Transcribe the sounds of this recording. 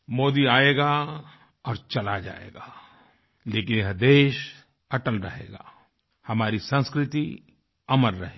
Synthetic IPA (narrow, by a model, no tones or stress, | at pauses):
moːd̪iaːeːɡa | ɔːɾt͡ʃɐlad͡ʒa̰ːḛːɡaː | leːkɪnɐɦd̪eːʃ | ɐʈəlɾɐ̰ɦḛːɡa̰ː | hɐmaːɾisə̃nskɾɪt̪i | ɐmənɾɐ̰ɦeː